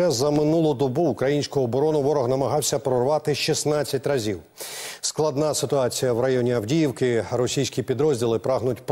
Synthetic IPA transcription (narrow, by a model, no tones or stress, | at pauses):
ɛzɐmɪnulˠʊd̪ɔbuːkɾɐjinʲsʲkʊɔbɔɾɔnʊʋɔɾɔɣnɐmɐɦɑwsʲɐpɾɔrʋɑt̪ɪʃisnɑt͡sʲːɐtʲrɐzʲiw | sklˠɐd̪nɑsɪt̪ʊɑt͡sʲijɐwɾɐjɔnʲiɐwdʲijiwkɪɾɔsʲijsʲkʲipʲid̪ɾɔzʲdʲilˠɪpɾɑɦnʊtʲp